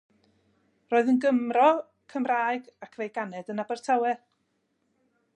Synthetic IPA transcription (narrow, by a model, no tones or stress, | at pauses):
roːðənɡəmrɔ | kʰəmraːjɡakʰvejɡanɛdənabɛrtʰawɛ